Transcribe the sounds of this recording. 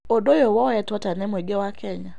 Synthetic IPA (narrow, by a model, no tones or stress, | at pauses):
odojɔwɔjɛtwatanɛmwɛɡɛwakʰɛɲa